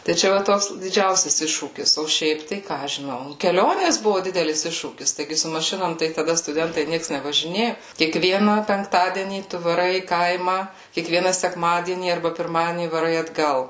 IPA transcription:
tɐɪ ˈt͡ʃʲɛ ʋɐ ˈtoːks dʲɪˈd͡ʒʲɛʊsʲɛs ˈɪʃʃuːkʲɪs oː ˈʃʲɛɪp tɐɪ ˈkɑː ɐʃ ʒʲɪˈnɐʊ kʲɛˈlʲoːnʲeːs ˈbʊʋʊ ˈdʲɪdʲɛlʲɪs ˈɪʃʃuːkʲɪs tɐɪˈɡʲɪ sʊ mɐˈʃʲɪnoːm tɐɪ tɐˈdɐ stʊˈdʲɛntɐɪ ˈnʲiɛks nʲɛʋɐʒʲɪˈnʲeːjʊ kʲiɛkˈʋʲiɛnɑː pʲɛŋkˈtɑːdʲiɛnʲiː ˈtʊ ʋɐˈrɐɪ iː ˈkɐɪmɑː kʲiɛkˈʋʲiɛnɐ sʲɛkˈmɑːdʲiɛnʲiː ɐrˈbɐ pʲɪrˈmɑːdʲiɛnʲiː ʋɐˈrɐɪ ɐdˈɡɐlˠ

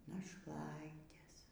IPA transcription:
nɐʃˈlˠɐɪtʲeːs

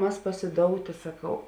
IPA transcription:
ˈmɐs pɐsʲɪˈdoːʊtʲeː sɐˈkɐʊ

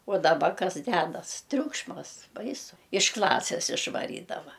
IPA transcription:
oː dɐˈbɐ ˈkɐs ˈdʲæːdɐs ˈtʲrʲʊkʃmɐs ˈbɐɪsʊ ɪʃ ˈklˠɑːsʲeːs ɪʃʋɐˈrʲiːdɐʋɐ

